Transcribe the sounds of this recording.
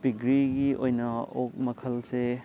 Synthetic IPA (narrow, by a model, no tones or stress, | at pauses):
piɡɾiɡiʔojnɐok̚mɐkʰɐlse